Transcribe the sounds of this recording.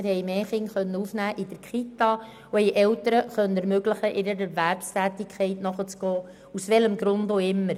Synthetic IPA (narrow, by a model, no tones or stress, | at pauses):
ɪɾhɛjmeːχɪŋχœnːəufnæːʔid̥əɾkχit̪ɑ | uɛjʔɛwtəɾəχœnːəɛɾmøɡləχəʔɪɾəɾɛɾvæɾpstʰæːt̪ɪkʰɛɪtnɔχət͡sɡ̥ɔː | usʋɛləmɡɾʊndoɪmːəɾ